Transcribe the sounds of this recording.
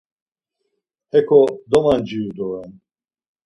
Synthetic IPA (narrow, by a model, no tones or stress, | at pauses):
ɛkʰɔd̪ɔmand͡ʒiud̪ɔɛn